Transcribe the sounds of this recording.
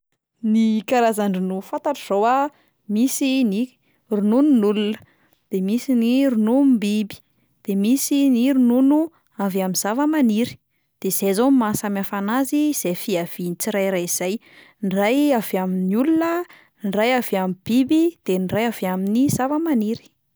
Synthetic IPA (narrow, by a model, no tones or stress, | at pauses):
nikaɾazaɳɖ͡ʐinufãnt̪aʈ͡ʂəz̥owa | misini | runununulunə̥ | d̪̥emisiniɾunumbibi̥ | d̪̥emisiniɾununu | avaminz̥avəmaniɾi̥ | d̪̥ez̥ezomimasamafanaziz̥efiav̥init͡siɾajɾaiz̥aj | nrajavaminiulunə | nrajavamib̥ibid̪̥enrajavaminizavəmaniɾi̥